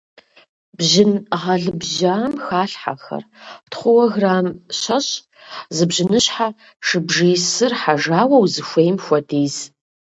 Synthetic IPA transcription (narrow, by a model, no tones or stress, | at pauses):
b̥ʑɪnʁɐɮɨbʑaːmxaːɬħa̰xɐ̰rtχʷʊwɐɣraːmɕɐɕʼ | zɨbʒɪnɨɕħaː | ʂɨbʐijsɨrħaʒaːwɐwzɨxʷejmxʷɐdiːz